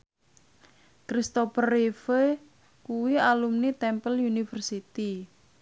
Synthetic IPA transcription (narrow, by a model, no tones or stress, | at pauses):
kɾist̪opərːife | kuwialumnit̪ɛmpəljunifərsit̪i